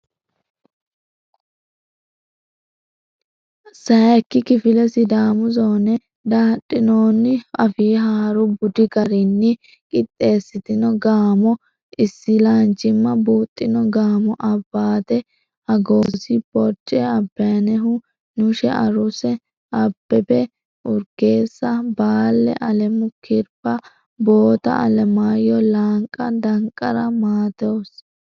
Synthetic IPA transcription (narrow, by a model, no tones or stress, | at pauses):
sɐjɐkːɪkɪfɪlɛsɪd̪aːmʊzoːnɛ | d̪aːᶑʼːɪnoːnːɪɐfiːɦaːɾʊbʊd̪ɪkɐɾɪnːɪ | kʼɪt̪ʼːe̞ːsːɪt̪ɪnɔɡaːmɔ | ɪsːɪlaːnt͡ʃʼːɪmːɐbuːt̪ʼːɪnɔɡaːmɔʔɐbːaːt̪ɛ | ɐɡoːsɪpɔɾt͡ʃʼːɛɐbːɐjɐnɛɦʊ | nʊʃɛʔɐ̰ɾʊsɛ | ɐb̥ːɛbɛ | ʊɾɡe̞ːsːɐbaːlːɛ̰ʔɐlɛmʊkʰɪɾpːɐ | boːt̪ɐ̰ɐlɛmaːjɔlaːŋkʼːɐd̪ɐŋkʼːɐɾɐmaːt̪ows